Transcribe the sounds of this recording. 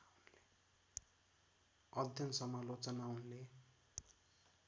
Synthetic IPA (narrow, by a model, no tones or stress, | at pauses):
unle | ʌd̪ʱjʌnsʌmalot͡sʌnaunle